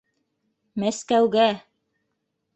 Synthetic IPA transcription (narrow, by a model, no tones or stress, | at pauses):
mæskæwɡæ